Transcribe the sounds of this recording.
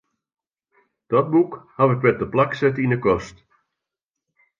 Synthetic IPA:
d̥ɔt̚bukhaʋɪkʋɛt̚dəplaksɛtindəkɔst

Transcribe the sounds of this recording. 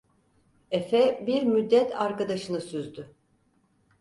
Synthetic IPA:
efɛbiɾmyd̪ːɛt̪ʰaɾkad̪aʃɯnɯsyzd̪y

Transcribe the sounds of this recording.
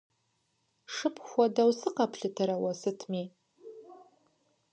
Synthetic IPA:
ʂɨpʰxʷadawsɨqapʰɬɨtʰaɾawasɨtʰmi

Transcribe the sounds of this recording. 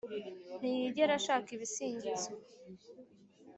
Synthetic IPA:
n̥ijiɟeɾaʃaːkiβisiːɲɟizo

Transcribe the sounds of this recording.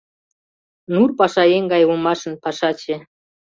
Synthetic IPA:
nurpɑʃɑjeŋɡɑjumɑʃə̆npɑʃɑt͡ɕĕ

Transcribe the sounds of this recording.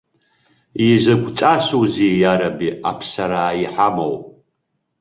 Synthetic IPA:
izʷɨɡʷt͡sʼasuwzijaɾabiapʰsaɾaːiħamo̰wpʼ

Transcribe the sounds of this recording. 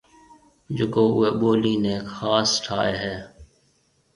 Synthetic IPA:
d͡ʒʊkoːʊeːɓoːliːneːkxaːsʈʰa̰ːeːɦɛː

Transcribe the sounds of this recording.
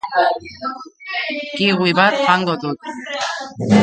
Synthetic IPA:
kiɣwiβat̪xaŋɡoðut̪̚

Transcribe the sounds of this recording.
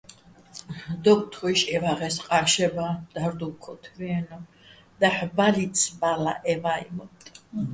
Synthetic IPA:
d̪ɔkʼt̪ʰɔiʃɛvaʁɛsqʼaʃɛbad̪̥aɾd̪ukʰɔt̪ʰviɛnɔ | d̪aħbalit̪sʰbala̰ʔɛvaḭmɔt̪ʼ

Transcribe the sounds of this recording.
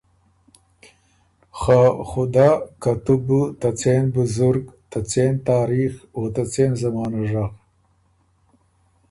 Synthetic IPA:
xaxʊd̪aːkat̪ubut̪at͡senbʊzʊɾɡt̪at͡sent̪aːɾixoːt̪at͡seːnzamɑːnuʐaq

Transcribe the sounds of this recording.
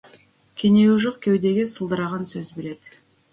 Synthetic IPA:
kʲʰeneuʒoqkʲʰe̞wd̪e̞ɡʲisəlˠd̪əɾɑʁɑnsøzbeɾe̞t̪

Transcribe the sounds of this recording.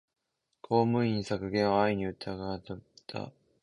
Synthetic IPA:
kʰo̞ːmɯ̟iɲ̟ːĩsakɯ̟ɡẽ̞ɰ̃βaaiɲ̟iɯ̟t̪ʰːaɡat̪at̪ʰa̰

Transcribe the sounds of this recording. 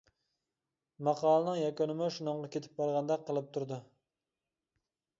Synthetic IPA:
mɑqʰɑːlˠɨnɨŋjɑkʲonɪmɪʃunɨɴʁɑkʲʰet̪ʰɪ̥p̚bɑɾʁɑnd̪ɛqʰəlˠɨp̚t̪ʰuɾd̪u

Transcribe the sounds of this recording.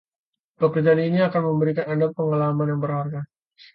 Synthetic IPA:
pəkərd͡ʒaaniniakanməmbəɾikanadapːəŋalamanjaŋbərharɡa

